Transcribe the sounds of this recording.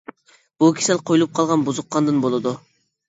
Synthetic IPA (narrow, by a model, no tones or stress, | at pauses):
b̥ukʲʰi̥sɛlqʰojlˠup̚qʰɑlˠʁɑnbuzʊqːɑnd̪ɨnbolˠɨd̪u